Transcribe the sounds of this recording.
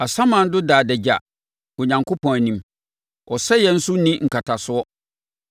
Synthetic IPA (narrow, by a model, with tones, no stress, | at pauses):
a˨sã˦mã˨n̩˦dʊ˦daː˨dɛ˨d͡ʑa̰˨ | ʊ˨ɲã˨ŋkʰo˦pʰɔ̃˨nĩ˨m | ʔɔ˨sɛ˦jɛ˨n̩˦sʊ˦nĩ˦ŋ̩˨kʰa˨tʰa˨sʊ˦ɔ˦